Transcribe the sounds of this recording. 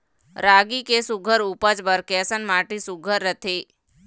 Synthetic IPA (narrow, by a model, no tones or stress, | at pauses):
ɾaːɡikesʊɡʱəɾupəd͡ʒbəɾkeːsənmaːʈisʊɡʱəɾːət̪ʰeː